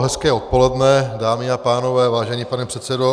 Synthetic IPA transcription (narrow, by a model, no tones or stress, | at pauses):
ɦɛskɛːo̞t̪po̞lɛdnɛdaːmɪapaːno̞vɛːvaːʒɛɲiːpanɛpr̥ɛt̪sɛdo